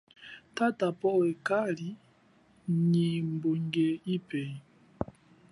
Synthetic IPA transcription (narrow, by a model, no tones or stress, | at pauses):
tatapɔɛkali | ɲimboŋɡɛipɛ